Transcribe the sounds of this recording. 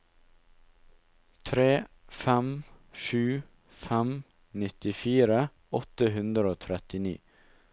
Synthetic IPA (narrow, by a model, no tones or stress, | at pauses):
t̪ʰɾeː | fɛmʃʉː | fɛm | nɪt̪ɪfiːɾə | ɔt̪əɦʉnd̪ɾəoːt̪ʰɾɛt̪ɪnḭː